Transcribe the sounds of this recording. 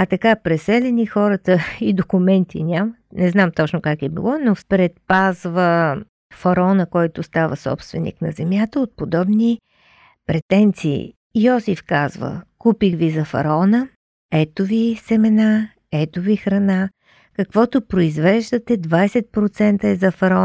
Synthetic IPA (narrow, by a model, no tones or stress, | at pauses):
ɐt̪ɐkapɾɛsɛlʲɛnixɔɾət̪əid̪okʊmɛnt̪ʰḭnʲamət̪nɛznamt̪ɔt͡ʃnʊkakɛbḭlˠɔnospɾɛt̪̚pazvə | fɐɾɔnəkɔjt̪ʊst̪avəsɔ̰pst̪vɛnḭknɐzɛmjat̪əot̪̚pod̪ɔbni | pɾɛt̪ɛnt̪sḭː | jɔsifkazvə̰kupixvizɐfɐ̰ɾɔnə | ɛt̪ovisɛmɛna | ɛt̪ovixɾɐna | kɐkvɔt̪opɾoizvɛʒd̪ət̪ɛd̪vajsɛt̪̚pɾot̪sɛnt̪əɛzɐfɐɾɔ